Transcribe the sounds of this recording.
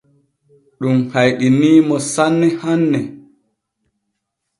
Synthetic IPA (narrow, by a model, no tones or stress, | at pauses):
ɗumhajɗiniːmɔsanːɛhanːɛ